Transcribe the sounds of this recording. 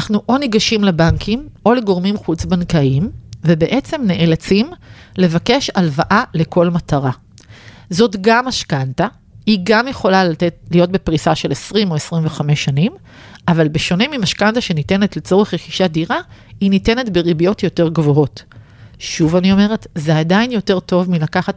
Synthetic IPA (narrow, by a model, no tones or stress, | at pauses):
naχnuʔo̞niɡaʃimlebaŋkʰimo̞leɡo̞ʁmimχut͡sbankaimve̞be̞ʔe̞t͡se̞mne̞ʔelat͡simle̞vake̞ʃalvaʔale̞ko̞lmataʁa | zo̞tɡamaʃkanta | iɡamje̞χo̞lalatetlijo̞t̚bepʁisaʃe̞lesʁimo̞esʁimveχame̞ʃanim | avalbeʃo̞nimimaʃkantaʃe̞nite̞ne̞tlet͡so̞ʁeχʁeχiʃadiʁainite̞ne̞tbe̞ʁibijo̞tjo̞te̞ʁɡvo̞ɦo̞t | ʃuvanio̞me̞ʁe̞tzeadajinjo̞te̞ʁto̞vmilakaχat